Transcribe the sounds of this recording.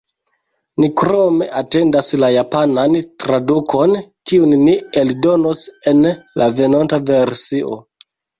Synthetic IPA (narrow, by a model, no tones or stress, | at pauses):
nikɾome̞ʔate̞ndaslajapanantɾadukʰo̞nkiunːieldo̞no̞se̞nlave̞nontave̞ɾsiʔo̰